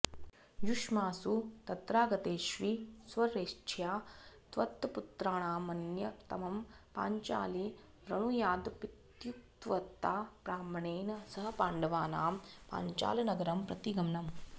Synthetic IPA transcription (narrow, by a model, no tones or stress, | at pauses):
juʃmaːsut̪ɐt̪ɾaːɡɐt̪eːʃʋisʋɐɾeːʃt͡ʃʰjaːt̪ʋɐt̪ːput̪ɾaːɳaːmɐnjɐt̪ɐmɐmpa̰ːɲt͡ʃa̰ːli | ʋɾɐɳ̃ujaːd̪pit̪juk̚t̪ʋɐt̪ːaːpɾaːmɐɳeːnɐsɐɦɐpaːɳɖɐʋaːnaːmpa̰ːɲt͡ʃa̰ːlɐnɐɡɐɾɐmpɾɐt̪iɡɐmɳɐm